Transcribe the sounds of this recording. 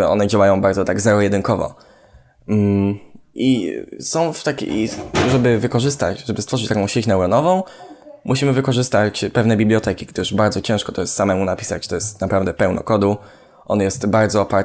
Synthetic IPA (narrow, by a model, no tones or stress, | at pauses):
ɔ̰nɛd͡ʑawajɔ̃w̃baɾd̪zɔt̪aɡzɛɾɔjɛd̪ɘnkɔvɔ̰ | ʔisɔ̃w̃ft̪akʲḭʐɛbɘvɘkɔʐɘst̪a̰t͡ɕʐɛbɘst̪fɔʐɘt͡ɕt̪akɔ̃w̃ɕet͡ɕnɛwɾɔnɔvɔ̃w̃mʔuɕimɘvɘkɔʐɘst̪at͡ɕpɛvnɛbʲiblʲjɔt̪ɛkʲiɡd̪ɘʂbaɾd̪zɔt͡ɕɛ̃ʂkɔt̪ɔjɛst̪samɛmunapʲi̥sa̰t͡ɕt̪ɔjɛst̪napɾavd̪ɛpɛwnɔ̰kɔd̪u | ʔɔnjɛst̪baɾd̪zɔːpaɾ